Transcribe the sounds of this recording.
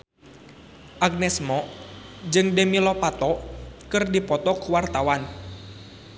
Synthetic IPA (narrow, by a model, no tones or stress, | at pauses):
ʔaɡ̚nɛsmɔd͡ʒɨŋdɛmilɔpat̪ɔkɨrdipɔt̪ɔkuwart̪awan